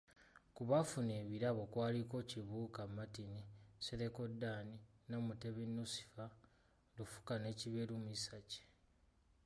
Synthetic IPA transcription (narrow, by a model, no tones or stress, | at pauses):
kuβafune̞βiɾaβo̞kwaːliko̞ciβuːkamːatineseɾeko̞daːninomuteβenosi̥fa | lufu̥kane̞ciβelumisace̥